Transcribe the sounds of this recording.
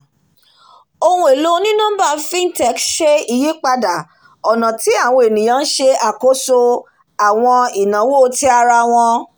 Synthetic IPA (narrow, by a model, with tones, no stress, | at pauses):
o˧ũ˦e˨lo˦nĩ˦nũ˦ba˦˨˦fĩ˦n̩˦tɛ˨˦kʃe˦i˨ji˦k͡pa˧da˨ | ɔ˨nã˨ti˨˦a˦˨w̃ɔ̃˧e˨nĩ˨j̃ã˦n̩˦ʃe˧a˨ko˦so˧ | a˨w̃ɔ̃˧i˨nã˨˦wo˦˨˦ti˦a˧ɾa˧w̃ɔ̃˧